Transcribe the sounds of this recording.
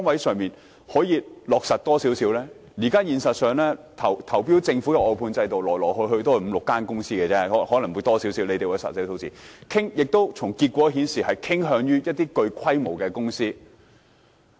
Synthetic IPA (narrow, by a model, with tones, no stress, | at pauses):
ɔ˥ŋwɐ˨˥jsœː˨ŋmiː˨n | hɔː˨˥jiː˨˧lɔː˨k̚sɐ˨t̚t̪ɔː˥siː˨˥wsi˨˥wlɛː˥ | jiː˨˩kaː˥jiː˨nsɐ˨t̚sœː˨ŋlɛː˥t̪ʰɐ˨˩wt̪ʰɐ˨˩wpiː˥wt͡sɪ˧ŋfu˨˥kɛ˧ɔː˨˧jpʰuː˧nt͡sɐ˧jt̪o˨wlɔː˨˩klɔː˨˩k̚hɵ˧jɦɵ˧t̪o˥hm̩˨˧lʊ˨kːaː˥nkʊ˥ŋsiː˥kɛ˧t͡sɛː˥˨˥hɔː˨˥lɐ˨˩ŋwuː˨˧jt̪ɔː˥siː˨˥wsi˨˥wle˨˧t̪e˨jwɔ˨˧jsɐ̰˨t̚si˨˥sʰo˨˥wt͡siː˨˩kʰɪ˥ŋjɪ˨k̚t̪o˥wt͡sʰʊ˨˩ŋkiː˧t̚kʷɔː˨˥ɦiː˨˥nsiː˨˩hɐ˨jkʰɪ˥ŋɦœː˨˧ŋjyː˥jɐ˥t̚t̪iː˥kɵ˧ɥkʰɐ˥jmo˨˩wkɛː˧kʊ˥ŋsiː˥